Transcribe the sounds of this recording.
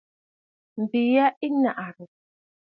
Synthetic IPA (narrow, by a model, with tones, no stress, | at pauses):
m̩˨bi˨ja˦i˦na˨ʔa˨ɾu˨